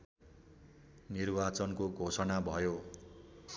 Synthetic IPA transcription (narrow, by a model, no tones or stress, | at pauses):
nirbat͡sʌnkoɡʱosʌnabʱʌjo